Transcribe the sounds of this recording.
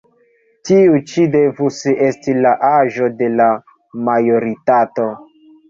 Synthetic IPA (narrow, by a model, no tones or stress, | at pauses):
tiut͡ʃide̞vuse̞stilaʔaʒo̞de̞la | majo̞ɾitato̞